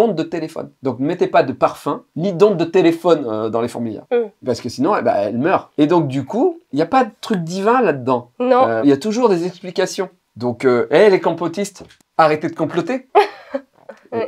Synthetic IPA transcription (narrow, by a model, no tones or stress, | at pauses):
ɔ̃d̪d̪ət̪elefɔ̰nd̪ɔ̃knəmɛt̪ɛpad̪əpaʁfɛ̃nid̪ɔ̃d̪̚ːət̪elefɔnød̪ɑ̃lefɔ̰ʁmiljɛ̰ʁpaʁsə̥kəsinɔ̃ɛ̰ba̰ɛ̰lmœːʁed̪ɔ̃k̚d̪ykuiljapad̪ət̪χyk̚d̪ivɛ̃lad̪əd̪ɑ̃nɔ̃øiljat̪uʒuʁd̪ezɛksplikʲasjɔ̃ | d̪ɔ̃køɛlekɔ̃pot̪ist̪ | aʁet̪ed̪əkɔ̃plɔt̪e